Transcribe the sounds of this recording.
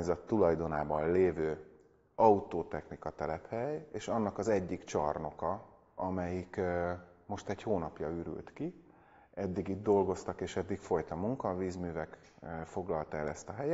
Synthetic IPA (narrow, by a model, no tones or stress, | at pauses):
aɲzɒt̪ːulɒjd̪o̞naːbɒnleːvøː | ɒut̪oːt̪ɛxnikɒt̪ɛlɛphɛjeːʃɒnːɒkɒzɛɟːikt͡ʃɒrno̞kɒ | ɒmɛjik | mo̞ʃt̪ɛchoːnɒpjɒyɾy̰lt̪ki | ɛd̪ːiɡiːd̪̚d̪o̞lɡo̞st̪ɒkeːʃɛd̪ːikfo̞jt̪ɒmuŋkɒviːzmyːvɛkː | fo̞ɡlɒlt̪ɛlɛst̪ɒɦɛjɛ